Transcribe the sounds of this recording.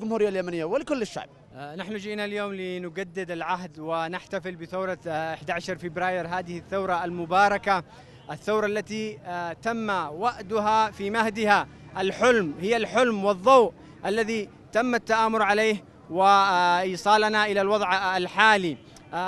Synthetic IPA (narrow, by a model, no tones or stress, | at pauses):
lɡʊmhuːɾɪjːaljamanɪjːawɪlɪkʊlːɪʃːa̰ʕb | naħnʊd͡ʒiːnaljoːmlɪnʊɡad̪ːɪd̪alʕaɦd̪wɪnɪħt̪afɪlbɪθawɾˤɑʔɪħd̪aʕaʃɑɾˤfɪbɾɑːjɪɾɦaːd̪ɪhɪθːawɾˤɑalmʊbɑːɾˤɑka | ʔaθːawɾˤɑlːat̪it̪amːawaʔd̪ʊɦafimahd̪ɪha | ʔalħʊlmhɪjːalħʊlmwɨðˤːɑwʔ | ʔalːaði | t̪amːat̪ːaʔaːmʊɾʕaleːh | wɪʔiːsˤɑːlanaʔɪlalwɑðˤʕalħaːli